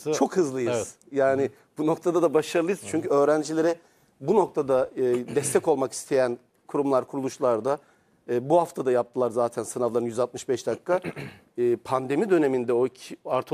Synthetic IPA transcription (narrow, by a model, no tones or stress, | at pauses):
t͡ʃʰo̞khɯzlˠɯjɯz̥ | jaːnɪ | b̥uno̞k̚t̪ʰad̪ad̪abaʃaɾlˠɯjɯz̥t͡ʃʰyɲcyø̞ːɾænd͡ʒilʲe̞ɾɛ | buno̞k̚t̪ʰad̪aɯːd̪ɛst̪ʰɛco̞lˠmaki̥st̪ʰe̞jæn | kʰuɾumlˠaɾkʰuɾulˠuʃlˠaɾd̪aː | buhaft̪ʰad̪ajap̚t̪ʰɯlˠaɾzaːt̪ʰænsɯnavlˠaɾɯnjyzat̪̚mɯʃbɛʃd̪akʰːaː | pʰand̪e̞mid̪ø̞ne̞mind̪ɛoicʰiaɾt̪ʰ